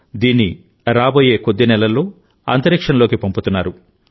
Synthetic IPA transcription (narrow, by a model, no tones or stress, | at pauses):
d̪iːnːi | ɾaːbo̞ːje̞ːkod̪ːinɛlɐlːo̞ː | ɐ̰nt̪ɐɾikʂɐnɐlo̞ːkipɐmput̪unːaːɾu